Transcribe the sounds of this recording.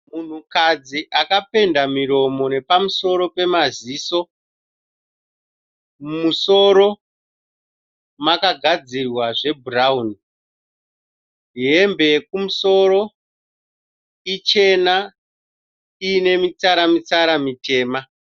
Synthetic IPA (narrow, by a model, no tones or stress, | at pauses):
mun̤ukad͡ziʔakape̞ndamiɾo̞mo̞ne̞pamuso̞ɾo̞pe̞maziːso̞ | mumuso̞ɾo̞ | makaɡʱad͡zirwaʐe̞burauni | niɦe̞mbe̞kumuso̞ɾo̞ | it͡ʃe̞na | iːne̞mit͡saɾamit͡saɾamite̞ːma